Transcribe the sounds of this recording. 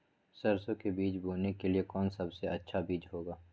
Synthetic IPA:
sɐɾsõkebiːt͡ʃbuːnekeliekɔːnsɐbseɐtːʃʰabiːd͡ʒɦoːɡaː

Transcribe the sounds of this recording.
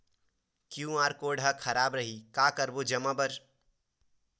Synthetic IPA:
kjũaːɾkoːɖʱakʰɐɾaːbɾəɦikaːkəɾbod͡ʒɐmabəɾ

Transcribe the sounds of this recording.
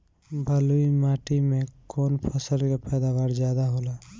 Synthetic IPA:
bʱəluimaːʈimekoːnpʰəsəlkepɛːd̪aʋaːɾd͡ʒjaːd̪aɦoːla

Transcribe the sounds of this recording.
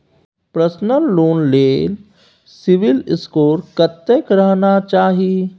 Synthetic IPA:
pɾəsnəlːoːnleːl | sɪʋɪlɪskoːɾkət̪ːekɾəɦnat͡ʃaːɦie

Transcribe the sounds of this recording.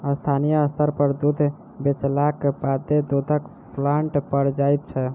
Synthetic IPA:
əst̪ʰanijəəst̪ʰəɾpəɾd̪ud̪ʱ | bet͡ʃlakepad̪ed̪od̪ʱək | pʰlaɳʈpəɾd͡ʒajt̪̚t͡ʃʰɛ

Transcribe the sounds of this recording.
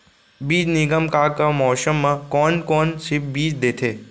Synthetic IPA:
biːd͡ʒnɪɡəmkaːkamɔːsəmːãkɔːnkɔːnsɪp̚biːd͡ʒd̪eːt̪ʰeː

